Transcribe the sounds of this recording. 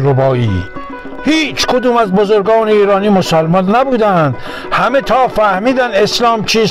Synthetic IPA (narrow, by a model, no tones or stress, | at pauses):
ɾobɒːḭː | hiːt͡ʃʰkʰod̪uːmæzbozoɾɡɒːneiːɾɒːniːmosælmɒnːæbuːd̪ænd̪̥ | hæmet̪ʰɒːfæhmiːd̪æneslɒːmt͡ʃʰiːz